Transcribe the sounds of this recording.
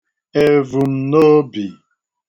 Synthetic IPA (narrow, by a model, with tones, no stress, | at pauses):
e˨vu˨n̩˨˦no˦bi˨